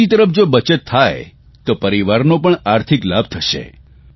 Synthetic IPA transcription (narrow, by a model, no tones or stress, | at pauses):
it̪əɾəfd͡ʒobət͡ʃət̪ʰːaj | t̪opəɾiʋaɾnopəɳaɾt̪ʰiklab̚ʱt̪ʰəʃḛ